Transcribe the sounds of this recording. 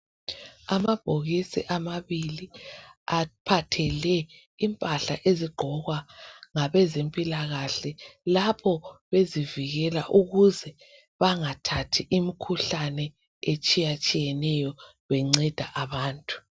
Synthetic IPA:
amab̥ʱoɣisḭʔamaβiliapʰatʰɛlɛ | impʼaɬa̰ʔeziɡ͡ǃʱɔɣwaŋaβɛzempʼilaɣaɬɛlapʰɔβeziviɣɛlaʔuɣuzɛ | βaŋatʰatʰiʔimikʰuɬanɛ | et͡ʃʼijat͡ʃʼijɛnɛjɔ | βɛŋ͡ǀɛd̥ʱaʔaβaːntʼu̥

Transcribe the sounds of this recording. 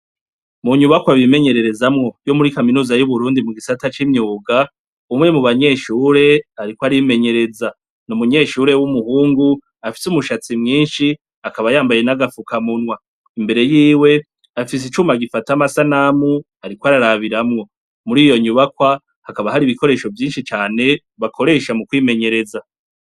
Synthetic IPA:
muɲuβakwaβime̞ɲe̞ɾe̞ɾe̞zamŋo̞jo̞muɾikaminuːzajuβuɾuːndimuɡisatat͡ʃimɲuːɡa | umŋe̞muβaɲe̞ʃuːɾe̞aɾikwoaɾiime̞ɲe̞ɾe̞za | nomuɲe̞ʃuɾe̞wumuhuːŋɡu | afi̥sumuʃat͡simŋiːnʃi | akaβajaːmbaje̞naɡafukamunwa | imbe̞ɾe̞jiːwe̞ | afis̬it͡ʃuːmaɡifatamasanamu | aɾikwaɾaɾaβiɾamŋo̞ | muɾiːjo̞ɲuβakwa | hakaβahaɾiːβiko̞ɾe̞ːʃo̞vjiːnʃit͡ʃaːne̞ | βakʰo̞ɾe̞ʃamukwiːme̞ɲe̞ɾe̞za

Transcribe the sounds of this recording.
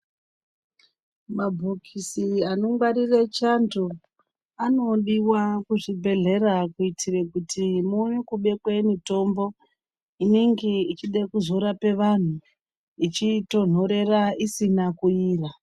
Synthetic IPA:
mabʱokʰisianoŋɡwaɾiret͡ʃanto | ano̞ɗiwakuʐibʱe̞ɮe̞rakuitʰirekutʰimujekuɓe̞kwe̞mito̞mbo̞ | ineŋɡe̞it͡ʃiɗekuzo̞ɾape̞ʋan̤u | it͡ʃito̞n̤o̞ɾe̞raisinakuiːra

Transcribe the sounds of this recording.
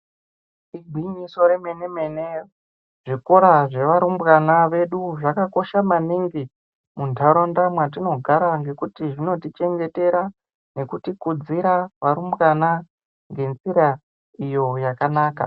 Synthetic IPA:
iɡʱiɲiso̞ɾemenemene | ʐ̥iko̞ɾaʐe̞ʋaɾumbɣanaʋe̞ɗuʐakako̞ʃamaniŋɡi | muntʰaɾondamwat̬ino̞ɡʱaɾaŋɡe̞kutiʐino̞tit͡ʃe̞ŋɡe̞te̞ɾa | ne̞kutikud͡ziɾaʋaɾumbɣana | ŋɡe̞nt͡siɾa | ijo̞jakanaːka̰

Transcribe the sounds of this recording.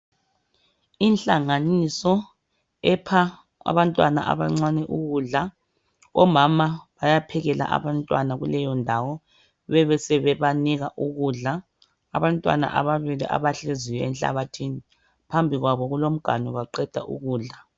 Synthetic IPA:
inɬʼaŋanisɔ | ɛpʰa | a̰βantʼwana̰ʔa̰βaŋ͡ǀanɛʔuɣuɮa | ɔmamaβajapʰɛɣɛla̰ʔa̰βantʼwa̰naɣulɛjɔndʱawɔ | βɛβɛsɛβɛβaniɣaʔuɣuɮa | aβantʼwa̰na̰ʔa̰βaβiliʔa̰βaɬezijɔɛnɬʼa̰βatʰiːni | pʰambʱiɣwaβɔɣulom̩ɡ̥ʱa̰nɔβaǃɛd̥ʱa̰ʔṵɣuːɮa

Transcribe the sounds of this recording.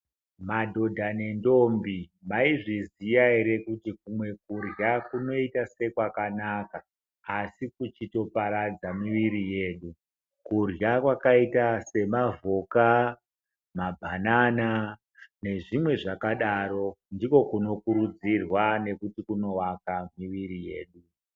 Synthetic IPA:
madʱo̞dʱanendo̞mbimaiʐizijaeɾe̞kutikumwe̞kurjakuno̞itase̞kwakanakaː | sikut͡ʃito̞paɾad͡zamiʋiɾije̞ːɗu | kurjakwakaitase̞mavo̞ka | mabʱanana | ne̞ʐimwe̞ʐakaɗaɾo̞ndiko̞kuno̞kuɾud͡zirwane̞kutikuno̞ʋakamiʋirije̞̰ːɗu

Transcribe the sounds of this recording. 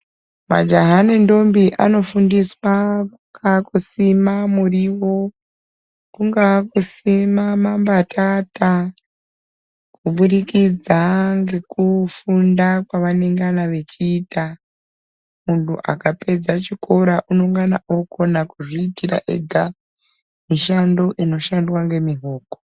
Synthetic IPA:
ma̰d͡ʒaɦanendo̞mbiʔano̞fundiswakuŋɡakusimamuriwo̞ | kuŋɡakusimamambatʰata | kuɓuɾikid͡zaŋɡe̞kufundakwaʋane̞ŋɡanaʋe̞t͡ʃiːta | muntṵʔa̰kape̞d͡zat͡ʃikʰo̞ɾaʔuno̞ŋɡana̰ʔoko̞nakuʐiːtira̰ʔḛɡʱa | miʃando̞ʔino̞ʃandwaŋɡe̞miɦo̞ːko̥

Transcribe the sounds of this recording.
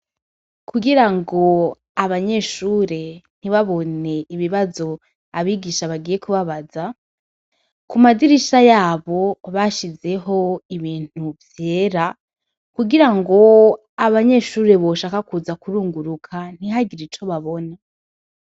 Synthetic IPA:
kʰuɡiɾaŋɡo̞ | aβaɲe̞ʃuːɾe̞n̥iβaβo̞ne̞iβiβazo̞ | aβiːɡiʃaβaɡiːje̞kuβaβaza | kumadiɾiʃajaːβo̞βaʃize̞ɦo̞iβiːn̥uvje̞ːɾa | kuɡiɾaŋɡo̞ | aβaɲe̞ʃuːɾe̞βo̞ʃaːkakuzakuɾuːŋɡuɾukʰan̥iɦaɡiɾit͡ʃo̞βaβo̞ne

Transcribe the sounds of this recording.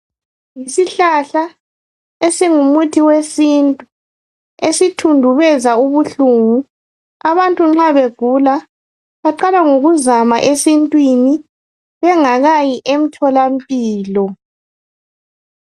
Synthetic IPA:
jisiɬaɬa | esiŋumutʰiwesintʼu | esitʰundʱuβɛzauβuɬuŋu | aβantʼuŋ͡ǁaβeɡ̥ʱula | βaǃalaŋoɣuzama̰ʔesintʼwini | βɛŋaɣajiʔem̩tʰɔlam̩pʼiːlɔ

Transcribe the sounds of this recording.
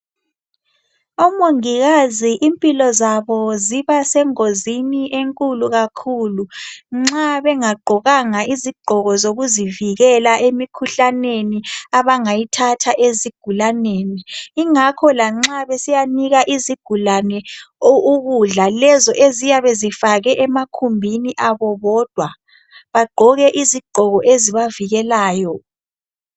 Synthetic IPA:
ɔmoŋiɣaziʔimpʼilɔzaβɔziβasɛŋoziniʔeŋkʼuluɣakʰuːluŋ͡ǁaβɛŋaɡ͡ǃʱɔɣaŋaiziɡ͡ǃʱɔɣɔzoɣuziviɣɛlaʔemikʰuɬaneniaβaŋajitʰatʰaʔeziɡ̥ʱulaneːniːŋakʰɔlaŋ͡ǁaβesijaniɣaʔiziɡ̥ʱulanɛouɣuɮalɛzɔʔezijaβezifaɣɛʔɛmakʰumbʱiniʔaβɔβɔːd̥ʱwa | βaɡ͡ǃʱɔɣɛʔiziɡ͡ǃʱɔɣɔʔeziβaviɣɛlaːjɔ

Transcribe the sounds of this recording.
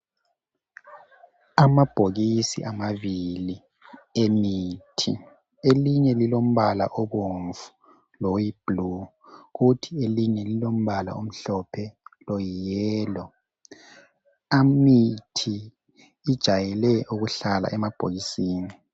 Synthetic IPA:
amab̥ʱoɣisḭʔamaβili | emitʰḭ | eliɲɛlilom̩βala̰ʔɔβoɱvu̥ | lowib̥lu | ɣutʰieliɲɛlilom̩βala̰om̩ɬɔpʰɛlɔjijɛːlɔ | amitʰiː | d̥ʒ̥ʱajɛlɛʔuɣuɬala̰ʔɛmab̥ʱoɣisiːni

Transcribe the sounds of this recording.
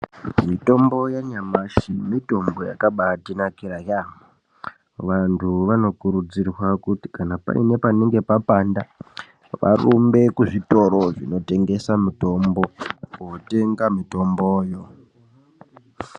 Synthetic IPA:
mito̞mbo̞jaɲamaʃimito̞mbo̞ja̰kaɓatinakiɾaja | ʋantʰuʋano̞kuɾud͡zirwakuti̥kanapa̰ine̞paneŋɡe̞papanda | ʋʔa̰rumbe̞kuʐito̞ɾo̞ʐino̞te̞ŋɡe̞samito̞mbo̞kote̞ŋɡamito̞mboːjo̞

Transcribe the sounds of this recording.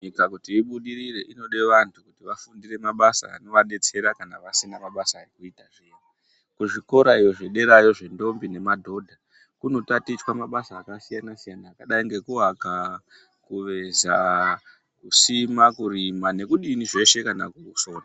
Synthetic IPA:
ɲikakutiːɓuɗiɾire̞ʔino̞ɗe̞ʋantʰukutiʋafundire̞maɓasa̰a̰no̞ʋaɗe̞t͡se̞ɾakanaʋasinamaɓasaːrikuitaʐena | kuʐiko̞ɾaijo̞ʐeɗe̞ɾajo̞ʐe̞ndo̞mbine̞madʱo̞dʱa | kuno̞tatit͡ʃwamaɓasaːkasijanasijanaːkaɗaiŋɡe̞kuaka | kuʋe̞za | kusimakuɾimane̞kuɗiniʐe̞ʃe̞kana̰kuuso̞ːna

